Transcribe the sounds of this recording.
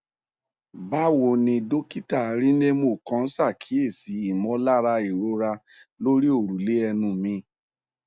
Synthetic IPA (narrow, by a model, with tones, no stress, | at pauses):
ba˦wo˧˨nĩ˧do˦ki˦ta˦˨ɾi˦ne˦mo˦˨kã˨˧˦n̩˦sa˦˨kʰi˨˦e˦˨si˨˦i˦˨mɔ̃˨˦la˦ɾa˧i˨ɾo˨˦ɾa˧ | lo˦ɾi˦o˦˨ɾu˨le˨˦ɛ˧nũ˧mĩ˧˦